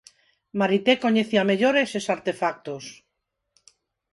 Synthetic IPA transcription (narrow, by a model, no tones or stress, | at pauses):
maɾit̪ekoɲeθiameʎoɾesesaɾt̪efak̚t̪os